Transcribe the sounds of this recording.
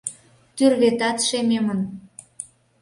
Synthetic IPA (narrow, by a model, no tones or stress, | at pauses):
t̪yrβet̪ɑt̪ʃememən